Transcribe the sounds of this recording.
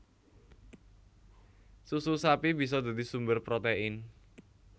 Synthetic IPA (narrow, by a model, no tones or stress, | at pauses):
sususapib̥is̬ɔd̪a̤d̪isumbərpɾot̪eɪn